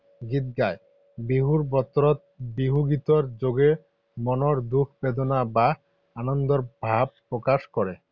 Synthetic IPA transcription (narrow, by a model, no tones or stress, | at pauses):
ɡit̪̚ɡae | biɦuɾbɔt̪ɾot̪̚biɦuɡit̪oɾd͡ʑoɡe | mɔnoɾd̪ukʰbed̪onaba | anond̪oɾbʱab̚pɾokaʃkɔɾe